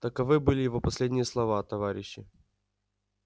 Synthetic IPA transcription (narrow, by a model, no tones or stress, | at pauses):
t̪əkɐvɨbɨlʲɪjɪvopɐsʲlʲedʲnʲɪjəslˠɐvat̪ɐvaɾʲɪɕːɪ